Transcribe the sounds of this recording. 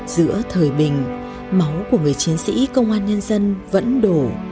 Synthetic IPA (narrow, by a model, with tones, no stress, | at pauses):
z̥ɨ̰˧˥ət̪ʰəː˨˩jɓï˨˩ŋ̟ | ma˨˦wku˧˩əŋɨ˨˩əjt͡ɕi˨˦ənsḭ˧˥kə˧wŋ͡mʔaː˧nɲə˧nzə˧nvə̰˧˥nɗo˧˩